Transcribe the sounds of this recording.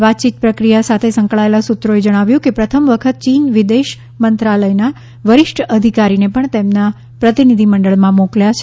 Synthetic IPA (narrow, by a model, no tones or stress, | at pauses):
ʋat̪̚t͡ʃit̪̚pɾəkɾijasat̪ʰesəŋkɭaelasut̪ːɾoed͡ʒəɽ̃aʋjũkepɾət̪ʰəmʋəkʰət̪̚t͡ʃinʋid̪eʃ | mənt̪ɾaləjna | ʋəɾɪʃʈʰəd̪ʱikaɾinepəɳt̪emna | pɾət̪inid̪ʱiməɳɖəɭmãmõkljat͡ʃʰ